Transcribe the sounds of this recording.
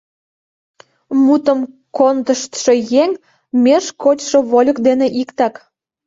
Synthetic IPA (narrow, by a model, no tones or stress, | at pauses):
mut̪əm | kond̪əʃt̪ʃojeŋʲ | mʲeʃkot͡ɕʃoβolʲəkd̪eneʔikt̪ɑk